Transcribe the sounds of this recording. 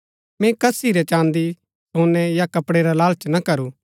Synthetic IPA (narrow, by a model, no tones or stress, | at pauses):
mɛ̃kɐsiɾɛt͡ʃãːnd̪i | soːnɛjakɐpɽeɾalaːlt͡ʃnɐkɐɾu